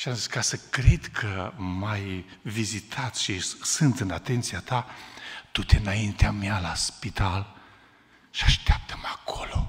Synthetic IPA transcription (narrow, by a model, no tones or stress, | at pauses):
ʃiamziskasəkɾed̪kʰəmaj | vizit̪ʰat̪sʲʃisɨnt̪ɨnat̪e̞nt̪siat̪at̪ut̪eɨnaint̪eamealaspit̪al | ʃiaʃt̪eap̚t̪ʰə̥makʰo̞lo̞